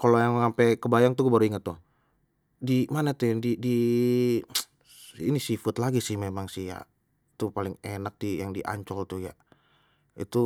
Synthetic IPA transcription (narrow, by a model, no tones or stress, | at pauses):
kalojaŋməŋampɛkəbajaŋt̪uɡubaɾuiŋət̪ːʊ | dimanat̪udidi | inisifət̪laɡisɪhmemaŋsihja̰ | t̪upalɪŋenak̚dijaŋdiʔa̰ɲt͡ʃɔlt̪uja̰ | ḭt̪u